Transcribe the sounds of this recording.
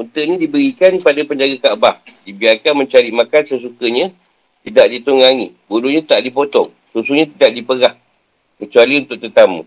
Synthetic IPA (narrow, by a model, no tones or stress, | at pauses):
unt̪əʔnĩdibəɾikanpadapəɲd͡ʒaɡakaʔbahdibiarkanməɲt͡ʃaɾiʔmakansəs̬ukəɲã | t̪idaʔdit̪uŋaŋibuluɲãt̪aʔdipot̪ɔŋ | susuɲãt̪idaʔdipəɡah | kət͡ʃualiunt̪ʊk̚t̪ət̪amṵ̃